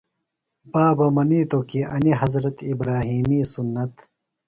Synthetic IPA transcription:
baːbɐmɐniːt̪okiɐniɦɐzɾɐt̪ibɾaːɦiːmiːsunːɐt̪

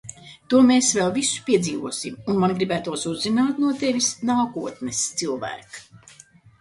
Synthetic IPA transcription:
t̪uɔmeːsvɛlˠvisu̥pʲiɛd̪ziːvuɔsimunmanɡɾibæːt̪uɔsuzːinaːt̪nuɔt̪evʲisnaːkuɔt̪nɛst̪silˠvæ̰ːk

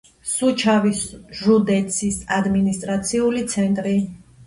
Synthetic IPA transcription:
sut͡ʃʰavisʒud̪ɛt̪sʰisad̪minist̪ʼɾat̪sʰiulit̪sʰɛnt̪ʼɾi

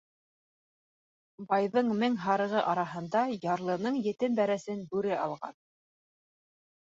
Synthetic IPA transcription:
bɑjðɤɴmɘŋɦɑɾɤ̆ʁɤʔɑɾɑɦɤ̆nd̪ɑjɑɾlˠɤ̆nɤɴjɘ̆t̪ɘnbæɾæsɘnbʉɾɘʔɑ̰lˠʁɑ̰n

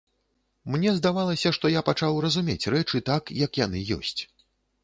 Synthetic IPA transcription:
mnʲɛzd̪avalˠɐsʲɐʂt̪ɔjapat͡ʂawrɐzumʲḛt͡sʲrɛt͡ʂɨt̪akjɐkjan̪ɨjɔ̰sʲt͡sʲ

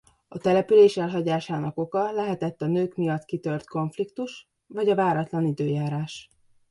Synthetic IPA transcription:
ɒt̪ɛlɛpyleːʃɛlɦɒɟaːʃaːnɒko̞kɒlɛɦɛt̪ɛt̪ːɒnøːkmijɒt̪kit̪ø̞rt̪ko̞ɱflikt̪uʃ | vɒɟɒvaːɾɒt̪lɒnid̪øːjaːɾaːʃ

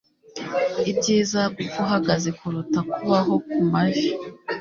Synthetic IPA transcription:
ibɟiːzauɡuɦaɡaze̞kuɾutakuβaɦo̞kumaʒi

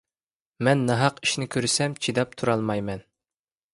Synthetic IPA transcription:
mɛnːɛɦɑqi̥ʃnɪkʲʰøɾsɛmt͡ʃʰid̪ɑp̚t̪ʰuɾɑlˠmɑjmɛn

